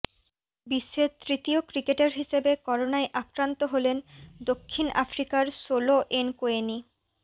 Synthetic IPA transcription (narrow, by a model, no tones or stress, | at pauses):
biʃːet̪ɾit̪iokɾikeʈaɾɦiʃebekɔɾonaeʔakɾant̪oɦolend̪okʰːina̰fɾikaɾsoloʔenkoeni